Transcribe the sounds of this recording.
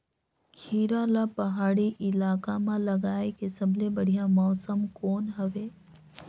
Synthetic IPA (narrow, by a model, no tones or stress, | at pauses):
kʰiːɾaːlapɐɦaːɽiʔɪlaːkamãlɐɡaːekesɐbʱlebɐɽ̤ijãmɔːsəmkoːnɦɐʋeː